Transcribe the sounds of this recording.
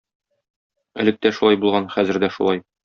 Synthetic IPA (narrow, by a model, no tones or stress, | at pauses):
ɘ̆lɘk̚t̪æʃulˠɑjbulˠʁɑnχæzɘ̆ɾd̪æʃulˠɑj